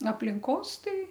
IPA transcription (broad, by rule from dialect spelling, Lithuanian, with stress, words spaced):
ɐpʲlʲɪŋˈkoːs ˈtɐɪ